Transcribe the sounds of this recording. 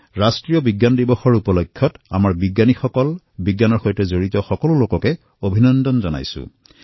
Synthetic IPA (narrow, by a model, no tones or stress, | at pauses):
ɹastɹijɔbiɡːandibɔxɔɹupɔlɔkʰːjɔta̰maɹbiɡanixɔkɔl | biɡːanɔɹxojtɛzoɹitɔxɔkɔlʊlokɔkɛ | obʱinɔndɔnzɔna̰jsʊ̰̃